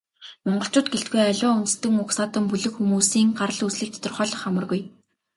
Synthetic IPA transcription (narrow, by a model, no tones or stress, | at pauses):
mɔɴɢɞ̆ɬt͡ɕʊːt̪̚ɡeɬt̪̚ɡujœɮʲʊːʊntst̪ɘ̆ŋʊksaːt̪ə̆mpuɮɘ̆kxumuːsiːŋɢarəɮusɮɘ̆k̚t̪ʰɔ̥t̪ɞ̆rχɔːɮɞ̆χamə̆rɣuj